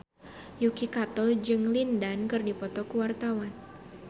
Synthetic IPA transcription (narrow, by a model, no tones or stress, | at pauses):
jukikat̪ɔld͡ʒɨŋlindankɨrdipɔt̪ɔkuwart̪awan